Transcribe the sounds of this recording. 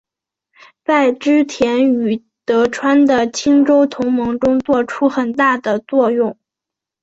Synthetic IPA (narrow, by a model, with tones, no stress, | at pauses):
t͡sa˥˩ɪʈ͡ʂɻ̩˥t̪ʰjɛ˧˥ny˨˩ | t̪ɤ˧˥ʈ͡ʂʰwa˥nd̪ə˨t͡ɕʰi˥ŋʈ͡ʂo˥ʊt̪ʰʊ˧˥ŋmɤ˧˥ŋʈ͡ʂʊ˥ŋt͡swɔ˥˩ʈ͡ʂʰu˥xə˨˩nt̪a˥˩d̪ə˩t͡swɔ˥˧jʊ˥˩ŋ